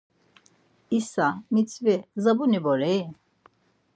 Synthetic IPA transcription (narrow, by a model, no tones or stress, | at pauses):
isamit͡sʰvɛzabunibɔɾɛ